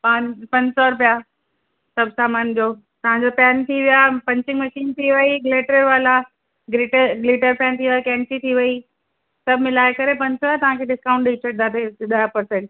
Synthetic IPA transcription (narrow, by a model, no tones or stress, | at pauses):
paːnpɐ̃ɲd͡ʑsɔɾʊpija | sɐbʱsaːmaːnd͡ʑoː | t̪ɐʋ̤ãɲd͡ʑopɛːnt̪ʰiʋijapɐ̃ɲt͡ɕɪ̃ŋɡmɐʃiːnt̪ʰiʋɐiɡleːʈɾeʋaːla | ɡliʈəɾɡliːʈəɾpɛ̃ːnt̪ʰiʋjakɛ̃ːnsit̪ʰiʋɐi | sɐbʱmɪlaːɪekɐɾepɐ̃ɲsɔat̪ɐʋ̤ãkʰeːɖɪskãːʊ̃ɳʈɗit͡ɕʰəd̪aːt̪eɗaːjapɐɾsẽɳʈ